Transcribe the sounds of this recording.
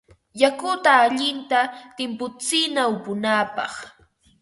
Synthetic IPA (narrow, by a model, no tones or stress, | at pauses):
jakʊt̪aːʎɪnt̪at̪ɪmpʊt͡sɪnaʊpʊnapɑχ